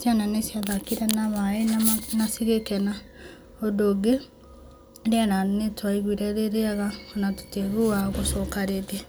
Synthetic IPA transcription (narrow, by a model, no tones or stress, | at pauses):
sjananesjaðakiɾɛnaβaenanasiɣekɛna | odoɡe | ɾeananetwaiɣwiɾɛɾeɾeaɣaonato̥teɣuaɣosɔkaɾede